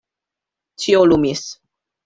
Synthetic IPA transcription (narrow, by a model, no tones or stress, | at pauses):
t͡ɕʰiolumis